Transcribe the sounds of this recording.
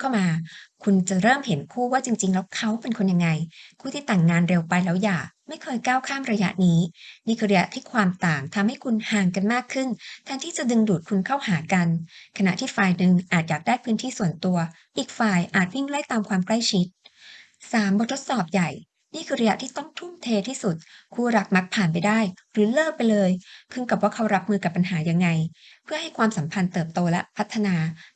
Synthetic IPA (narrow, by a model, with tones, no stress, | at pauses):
kʰa˥˩wmaː˧kʰu˧nt͡ɕa˨˩ɾɤː˥˩mhe˩˦nkʰuː˥˩waː˥˩t͡ɕi˧ŋt͡ɕi˧ŋlɛː˦˥wkʰa˦˥wpe˧nkʰo˧nja˧ŋːa˧jkʰuː˥˩t̪ʰiː˥˩t̪aː˨˩ŋːaː˧nɾe˧wpa˧jlɛː˦˥wjaː˨˩k̚ma˥˩jkʰɤː˧jkaː˥˩wkʰaː˥˩mɾa˧ja˦˥ʔniː˦˥niː˥˩kʰɯː˧ɾa˧ja̰˦˥ʔt̪ʰiː˥˩kʰwaː˧mt̪aː˨˩ŋt̪ʰa˧mha˥˩jkʰu˧nhaː˨˩ŋka˧nmaː˥˩kʰːɯ˥˩nt̪ʰɛː˧ŋt̪ʰiː˥˩t͡ɕa˨˩dɯ˧ŋduː˨˩t̪̚kʰu˧nkʰa˥˩whaː˩˦ka˧nkʰa˧na̰˨˩ʔt̪ʰiː˥˩faː˧jnɯ˨˧ŋʔaː˨˩t̪̚jaː˨˩k̚daː˥˩jpʰɯː˦˥nt̪ʰiː˥˩su˨˩ənt̪u˧ɐ | ʔiː˨˩k̚faː˧˩jʔaː˨˩t̪̚wi˥˩ŋlu˥˩˨jt̪aː˧mkʰwaː˧mkla˥˩jt͡ɕʰi˦˥t̪̚ | saː˩˦mbo˨˩t̪ʰːo˦˥t̪̚sɔː˨˩p̚ja˨˩j | niː˥˩kʰɯː˧ɾa˧ja˧˥t̪ʰiː˥˩t̪ɔ˥˩ŋt̪ʰu˥˩mt̪ʰeː˧t̪ʰiː˥˩su˨˩t̪̚kʰuː˧ɾa˨˩k̚ma˦˥k̚pʰaː˨˩np̬a˧jdaː˥˩jɾɯː˨˩˦lɤː˥˩k̚pa˧jlɤː˧jkʰɯ˧˥˩ŋka˨˩p̚waː˥˩kʰa˦˥wɾa˦˥p̚mɯː˧ka˨˩pːa˧nɦaː˩˦ja˧ŋːa˧jpʰɯ˥˩ha˥˩jkʰwaː˧msa˩˦mpʰa˧nt̪ɤː˨˩p̚t̪oː˧lɛ˦˥ʔpʰa˦˥t̪ʰːa˧naː˧